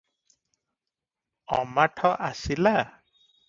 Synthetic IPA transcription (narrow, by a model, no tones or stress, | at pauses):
ɔ̰maʈʰɔʔasila